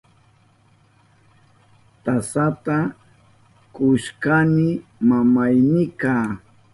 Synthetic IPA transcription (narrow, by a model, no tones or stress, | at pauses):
t̪asat̪a | kʊʃkanɪmamajnɪkaː